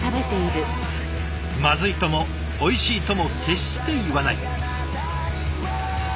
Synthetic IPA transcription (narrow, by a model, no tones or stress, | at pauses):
abe̞t̪e̞iɾɯ̟ | mazɨit̪o̞mo̞ː | iɕiːt̪o̞mo̞kʰe̞ɕi̥t̪e̞jiβanai